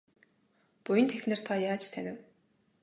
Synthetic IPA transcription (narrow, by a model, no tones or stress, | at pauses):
pʊjə̆nt̪ʰexʲnɘ̆r̥t̪ʰajaːt͡ɕt̪ʰænʲɪ̆w